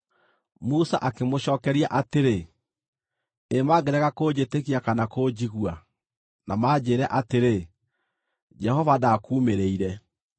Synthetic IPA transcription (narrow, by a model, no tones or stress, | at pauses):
musaʔakemoɕɔːkɛɾiaʔateɾe | emaɡɛɾɛɣakoːd͡ʑetekiakanakod͡ʑiɣwa | namaːd͡ʑeːɾɛʔateɾe | d͡ʒɛhɔvadakuːmeɾeiɾɛ